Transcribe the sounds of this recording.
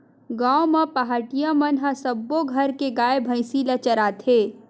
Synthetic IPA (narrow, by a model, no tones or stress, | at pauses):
ɡãːwmãpɐɦaːʈijãmɐnɦɐ̃sɐbːoɡʱɐɾkeɡaːebʱə̃ɪ̃silɐt͡ʃɐɾaːt̪ʰeː